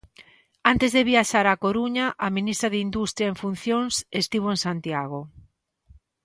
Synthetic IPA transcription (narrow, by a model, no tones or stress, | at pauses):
ant̪ezðeβiaʃaɾakoɾuɲaʔaminist̪ɾaðeind̪ust̪ɾjaeɱfun̟θjoŋsest̪iβ̞oeŋsant̪iaɣ̞o